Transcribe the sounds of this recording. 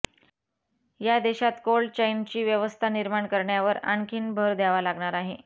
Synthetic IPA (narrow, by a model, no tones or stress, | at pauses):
jad̪eɕat̪kolɖt͡ɕaint͡ɕiːʋjəʋəst̪ʰaniɾmaɳkəɾɳjaʋəɾa̰ɳkʰiːnbʱəɾd̪aʋalaɡɳaɾaɦe